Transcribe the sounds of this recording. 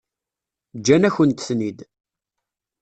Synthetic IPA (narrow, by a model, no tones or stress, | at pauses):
d͡ʒːænæçənt̪θnid̪